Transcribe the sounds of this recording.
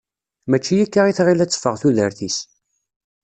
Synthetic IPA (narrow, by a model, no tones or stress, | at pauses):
mæt͡ʃːijækːaʁiθʁilæt͡sːfəʁθuðəɾθis